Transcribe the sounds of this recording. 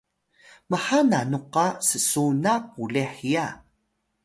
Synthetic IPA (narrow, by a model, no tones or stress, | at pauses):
məħananuqasəsunapuleħija